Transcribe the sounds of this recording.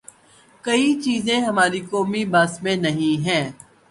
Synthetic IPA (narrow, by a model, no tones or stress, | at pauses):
kɐit͡ʃiːzẽɦɐmaːɾikɔːmibaːsmẽnɐɦĩɦɛ̃ː